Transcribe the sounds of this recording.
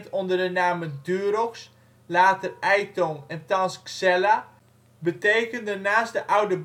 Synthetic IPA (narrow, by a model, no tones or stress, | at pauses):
tɔndərdənaːmədyːɾɔxs | laːtərɛjtɔnɛntɑnsksɛla | bətejkəndənaːsdəʔawdəb